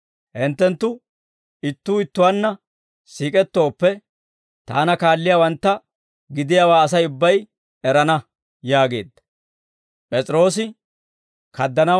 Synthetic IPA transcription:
hɛnt̪ːɛnt̪ːʊ | ɪt̪ːuːɪt̪ːʊwanːɐ | siːkʼɛt̪ːo̞ːpːɛ | t̪a̰ːnɐkaːlːɪjawɐnt̪ːɐ | ɡɪd̪ɪjaːwaːɐs̬ɐjʊbːɐj | ɛɾɐnɐ | jaːɡe̞ːd̪ːɐ | pʼɛt͡sʼɾo̞ːs̬ɪ | kɐd̪ːɐnɐ

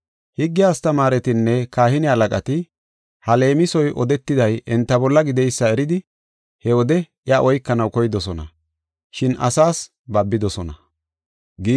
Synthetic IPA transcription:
hɪɡːɪjaːst̪ɐmaːɾɛt̪ɪnːɛkaːhɪnɪhɐlɐkʼɐt̪ɪ | hɐle̞ːmɪsɔjʔɔd̪ɛt̪ːɪd̪ɐjɛnt̪ːɐbɔlːɐɡɪd̪ɛjsːɐɛɾɪd̪ɪ | hɛwɔd̪ɛʔjaʔɔjkːɐnɐwkɔjɪd̪ɔsɔnɐ̰ | ʃɪnɐ̰saːs | bɐbːɪd̪ɔsɔnɐ | ɡ

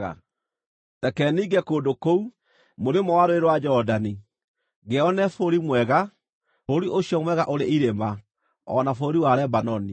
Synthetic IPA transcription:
a̰ | tɛkɛːniːɡɛkoːdokou | moɾemɔwaɾoeɾwad͡ʒɔdani | ɣeɔnɛfoɾimwɛɣa | foɾiʔoɕjɔmwɛɣaʔoɾeʔiɾema | ɔnafoɾiwaɾɛbanɔni

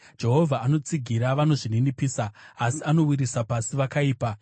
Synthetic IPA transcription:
d͡ʒe̞ɦo̞vʱaːno̞t͡siɡʱiɾaʋano̞ʐininipiːsaːsiano̞wiɾisapasiʋakaiːpa

